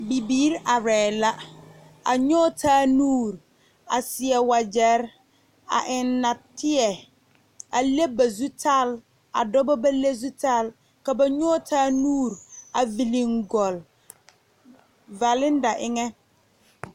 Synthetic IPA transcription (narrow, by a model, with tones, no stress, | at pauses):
bi˨biː˦ɾa˨ɾɛː˨la˦ | a̰˨ɲɔ˦tʰaː˦nuː˦˨ɾ | a̰˨sɪ˨ɛ˨wa˨d͡ʒɛ˨˦ɾ | a̰˨ʔɪ˨nːa˨tɪ˦ɛ˨ | a˨le˦ba˨zu˦tʰa˦˨l | a̰˨dɔ˦bɔ˦ba˦le˦zu˦ta˦l | ka˨ba˨ɲɔː˦tʰaː˦nuː˦˨ɾa˨vi˨li˨ŋɡɔ˨l | va˨lɪ˦n˦da˨ʔɪ˦ŋɛ˦